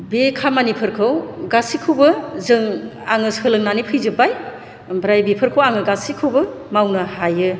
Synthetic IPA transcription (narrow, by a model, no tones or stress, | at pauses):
bekʰamanipʰɯɾkʰɯwɡasikʰɯwbɯzɯŋ | aŋɯsɯlɯŋnanipʰɯjzɯbaj | bɾajbepʰɯɾkʰowaŋɯɡasikʰɯwbɯ | mawnɯhajɯ